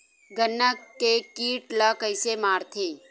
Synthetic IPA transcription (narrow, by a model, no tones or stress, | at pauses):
ɡənːəkːekiːʈlɐkəɪsemaːɾt̪ʰeː